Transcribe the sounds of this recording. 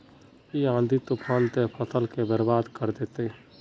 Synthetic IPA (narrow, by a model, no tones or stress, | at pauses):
iãːnd̪ʱit̪ʊpʰaːnt̪epʰət̪əlkebəɾbaːd̪kəɾd̪eːt̪e